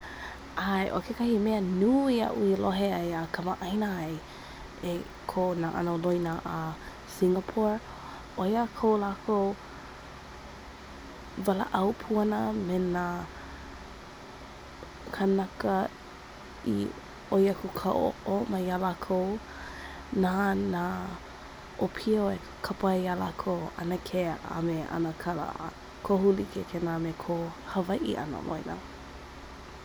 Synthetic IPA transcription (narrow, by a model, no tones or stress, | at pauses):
ʔajʔo̰kʰekɐhimeənuːia̰ʔṵiloɦeajakʰəmaʔɐjnaaj | e | kʰonaʔa̰nolojnaʔa | siŋəpʰoɹ | ʔojakʰowlakʰow | vala̰ʔɐwpʰuɐnəmena | kʰanakə | ḭ | ojakʰukʰaʔo̰o̰ʔomajalakʰow | nana | ʔopʰioe | kʰapajjala̰kʰowɐ̰nəkʰea̰meʔɐ̰nəkʰalə̰ | kʰoɦulikʰekʰenamekʰohəvɐjʔḭʔɐ̰nə̰lo̰jna̰